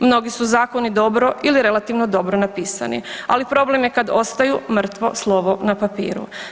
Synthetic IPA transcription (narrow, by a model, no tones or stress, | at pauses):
mno̞ɡisuzaːko̞nid̪o̞bɾo̞ʔiliɾe̞lˠat̪iʋno̞d̪o̞bɾonapiːsa̰nḭalipɾo̞ble̞mje̞kad̪o̞st̪ajumr̩t̪ʋo̞̰slˠo̞ʋonapapḭːɾṵ